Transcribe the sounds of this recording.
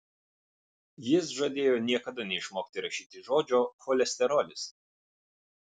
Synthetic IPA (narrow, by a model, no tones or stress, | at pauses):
jɪsʒɐd̪ʲeːjoːnʲiɛkɐd̪ɐnʲɛɪʃmoːkt̪ʲɪɾɐʃʲiːt̪ʲɪʒoːd͡ʒʲoːxɔlʲɛsʲt̪ʲɛɾɔlʲɪs